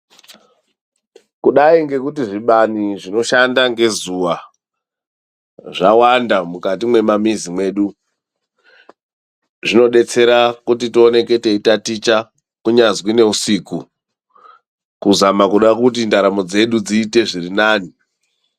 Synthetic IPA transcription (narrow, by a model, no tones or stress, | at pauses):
kuɗaiŋɡe̞kutiʐiɓaniʐino̞ʃandaŋɡe̞zuwa | ʐawandamukatimwe̞mamizimwe̞ːɗu | ʐino̞ɗe̞t͡se̞ɾakutitio̞ne̞ke̞teitatit͡ʃa | kuɲazwine̞usiku | kuzamakuɗakut̬indaɾamo̞d͡ze̞ɗud͡ziːte̞ʐirinaːni